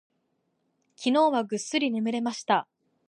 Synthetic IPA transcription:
kʲino̞ːβaɡɯ̟sːɨɾʲine̞mɯ̟ɾe̞maɕi̥t̪a

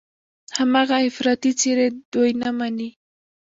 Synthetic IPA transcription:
hamɑɢɑefɾat̪ɪt͡sɪɾed̪ojnamani

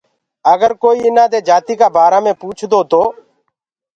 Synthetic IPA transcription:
əɡəɾkoːiːɪnãːd̪eːd͡ʒaːt̪iːkaːbaːɾaːmẽːpuːt͡ʃʰd̪oːt̪oː

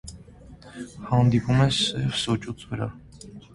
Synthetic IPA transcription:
hɑnd̪ipʰʼumɛsɛvsɔt͡ʃʼut͡sʰvəɾa̰

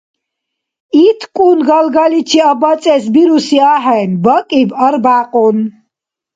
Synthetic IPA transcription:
it̪ʰkʼunɡalɡalit͡ʃʰiabat͡sʼɛsbiɾusiaɦɛjnbəkʼibəɾbaqʼun

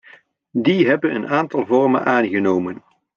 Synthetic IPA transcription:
diɦɛbənənaːntɑlˠvɔrmə̰nʔaːnɣənoːwmən

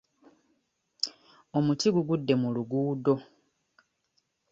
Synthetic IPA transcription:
o̞mutiɡuɡudːe̞muluɡuːdo̞

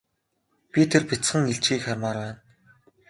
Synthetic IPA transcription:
pʲit̪ʰerpʲit͡sχə̆ŋeɬt͡ɕɡiːkχaɾʲmaːɾwæːn

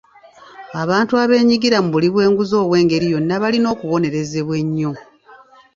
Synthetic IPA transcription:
aβaːntuaβe̞ːɲiɡiɾamuβuliβwe̞ːŋɡuzo̞ːβwe̞ːŋɡe̞ɾijo̞nːaβalino̞ːkuβo̞ne̞ɾe̞ze̞βwe̞ɲːo̞

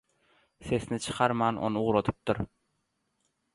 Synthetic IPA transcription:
se̞snɪt͡ʃʰɨ̥qʰɑɾmɑːnʔo̰nɨuʁɾot̪ʰɯ̥p̚t̪ʊɾ

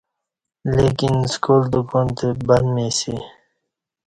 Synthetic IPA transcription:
lekinskoːld̪ukont̪ebanmesi

